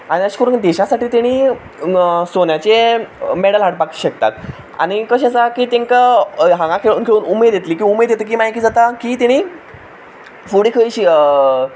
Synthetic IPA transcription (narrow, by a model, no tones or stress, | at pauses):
aɽ̃iəɕi̥kəɾuːnd̪eɕasaʈiːt̪eɽ̃iː | sonjat͡ɕemeɽəlɦaʈ̚paki̥ɕek̚t̪a̰t̪ | a̰ɽ̃ikəɕ̬ẽsakiːt̪ẽŋkaɦãŋɡãkʰeɭuːnkʰeɭuːnumed̪jet̪liːkĩumed̪jet̪əkiːmajkiːd͡zat̪akiːt̪eɽ̃iː | fuɽikʰəiɕiə